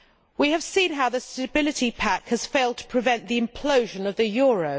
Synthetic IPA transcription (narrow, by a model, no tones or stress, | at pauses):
wiɨv̥sĩnɦaʊðəstəbɪlɪtipʰækhəz̥feɪlˠd̚tʰə̥pʰɹ̥ɪvɛ̃nðiɨ̃mpʰl̥əʊʒə̃nəvðɨjɔːɹəʊ